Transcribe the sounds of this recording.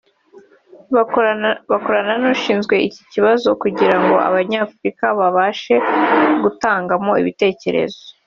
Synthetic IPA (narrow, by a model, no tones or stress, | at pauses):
βako̞ɾananoʃiːnzɡwe̞ici̥ciβazo̞kuɟiɾaŋɡo̞̰ʔa̰βaɲaːfuɾikaβaβaːʃe̞ɡutaːŋɡamo̞ḭβite̞ːce̞̰ɾe̞̰zoo